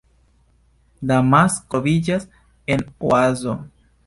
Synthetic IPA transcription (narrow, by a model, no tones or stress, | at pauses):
lamaskovid͡ʒas | e̞noazo̞